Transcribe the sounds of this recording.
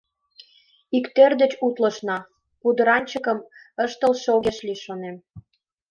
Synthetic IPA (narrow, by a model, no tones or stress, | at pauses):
ikt̪erd̪et͡ɕut̪lə̆ʃnɑ | pud̪ə̆ɾɑnʲt͡ɕə̆kə̆m | əʃt̪ə̆lʃoɣeʃliʃonem